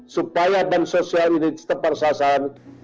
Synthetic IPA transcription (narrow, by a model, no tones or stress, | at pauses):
supajadansosialinit͡ʃt̪əparsasaɾan